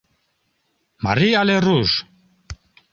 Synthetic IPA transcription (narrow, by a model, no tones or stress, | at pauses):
ma̰rialɛrus